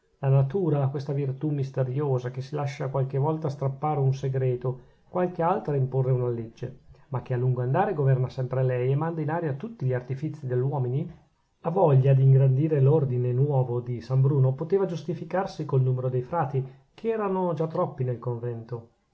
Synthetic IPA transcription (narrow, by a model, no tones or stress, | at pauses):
lanat̪uːɾakwest̪avirt̪umist̪eɾjoːzak̟esilaʃːakwalk̟evɔlt̪ast̪ɾapːaːɾeunseɡɾɛːt̪o | kwalk̟ealt̪ɾaimporːeunaled͡ʒːemakːealːuŋɡoand̪aːɾeɡovɛrnasɛmpɾelɛjemand̪ainaːɾjat̪ut̪ːiʎiart̪ifit̪sːid̪eʎːwɔːmini | avɔʎːad̪iːŋɡɾand̪iːɾelord̪inenwɔːvod̪isambɾuːnopot̪eːvad͡ʒust̪ifikarsikolnuːmeɾod̪ejfɾaːt̪i | kʰeɛːɾanod͡ʒat̪ːɾɔpːinelkoɱvɛnt̪o